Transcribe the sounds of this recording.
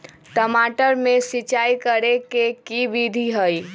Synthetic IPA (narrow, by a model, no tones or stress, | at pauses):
ʈəmaːʈəɾmẽsɪt͡ʃaːikəɾekekibid̪ʱiɦəi